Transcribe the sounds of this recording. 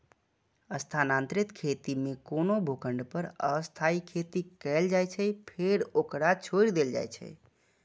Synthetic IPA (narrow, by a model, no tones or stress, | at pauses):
əst̪ʰanant̪ɾɪt̪kʰet̪imekonobʱokəɳɖpəɾəəst̪ʰaikʰet̪ikɛld͡ʒajt͡ʃʰɛpʰeɾokɾat͡ʃʰoɾd̪eld͡ʒa̰jt͡ʃʰɛ̰